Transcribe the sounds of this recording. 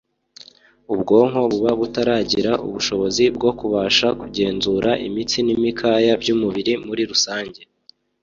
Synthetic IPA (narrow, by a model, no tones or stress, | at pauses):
ubɡo̞ːŋho̞βuβaβutaɾaːɟiɾaʔṵβuʃo̞βo̞zibɡo̞kuβaːʃakuɟe̞ːnzuɾʔaʔimit͡sinimikʰaːjabɟumuβiɾimuɾiɾusaːɲɟe̞